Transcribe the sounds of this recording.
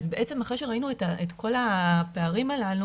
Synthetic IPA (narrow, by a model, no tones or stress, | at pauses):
azbe̞ʔet͡se̞maχaʃeʁainuetaet̪ko̞lape̞aʁimalalu